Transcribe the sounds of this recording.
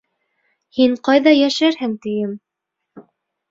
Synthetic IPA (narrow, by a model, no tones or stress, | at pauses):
hiɴqɑjðɑjæʃæɾhɘŋt̪ɘ̆jɘm